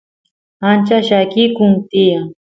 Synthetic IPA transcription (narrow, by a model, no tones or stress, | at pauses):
ant͡ʃaʃakɪkʊŋt̪ijaŋ